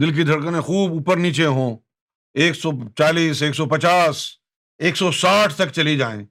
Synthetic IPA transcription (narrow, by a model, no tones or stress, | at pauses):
d̪ɪlk̬id̪ʱɐɽkənẽxuːbuːpəɾniːt͡ʃeɦõː | eːksɔt͡ʃaːliːseːksɔpɐt͡ʃaːs | eːksɔsaːʈʰt̪ɐkt͡ʃɐlid͡ʒaːḛ̃ː